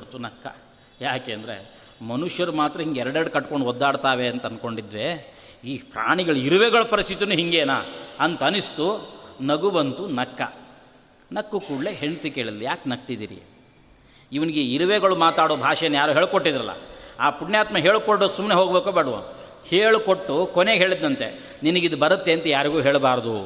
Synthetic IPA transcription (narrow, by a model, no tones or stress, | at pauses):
t̪unɐkːɐ̰ | jaːkeːɐnd̪ɐɾḛ | mɐnuʂjɐɾumaːt̪ɾɐɦiŋɡeɛɾɐɽeɽkɐʈːkoɳɖɔd̪ːaːɽt̪aːʋeɐnt̪ɐɐnko̞ɳɖid̪ʋe̞ | iːpʰɾa̰ːɳiɡɐɭuiɾuʋeɡɐɭɐpɐɾist̪ʰit̪inuɦiŋɡeːna̰ːɐnt̪ɐnist̪unɐɡubɐnt̪unɐkːɐ̰ | nɐkːukuːɽleɦeɳt̪ikeːɭid̪lijaːknɐɡt̪id̪ḭːɾḭ | iʋɐniɡeiɾuʋeɡɐɭumaːt̪aːɽoːbʱaːʂɐjɐnːɐjaːɾuːɦeːɭkoʈːid̪ɾɐlːɐ̰aːpuɳɳjaːt̪mɐɦe̞ːɭkoɽosumːneɦoːɡbeːkoːbeːɽuʋo̰n | heːɭukoʈːukoneːɡɦe̞ːɭid̪ːɐnt̪e̞̰ | ninɐɡid̪ubɐɾɐt̪ːe̞ɐnt̪ɐjaːɾiɡuːɦe̞ːɭbaːɾɐd̪u